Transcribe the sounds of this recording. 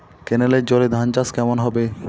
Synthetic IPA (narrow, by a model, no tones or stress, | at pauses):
keneleɾd͡ʑoled̪ʱant͡ɕaskɛmonɦɔbe